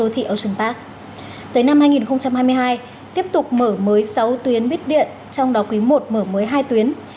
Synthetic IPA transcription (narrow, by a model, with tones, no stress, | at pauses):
o˨˦t̪ʰḭ˧˨ʔə˧˩sə˧˩ŋpaː˦˥k̚ | t̪əː˨˦jna˧mhaː˧jŋi˨˩nxə˧wŋ͡mt͡ɕa˧mhaː˧jmɨ˧əjɦaː˧j | t̪i˦˥əp̚t̪ʊ˨˩k͡p̚məː˧˩məː˨˦jsa˨˦wt̪wi˨˦ənɓi˦˥ət̚ɗḭ˧˨ən | t͡ɕɔ˧wŋ͡mɗɔ˨˦kwi˨˦mo˨˩t̚məː˧˩məː˨˦jɦaː˧jt̪wi˨˦ən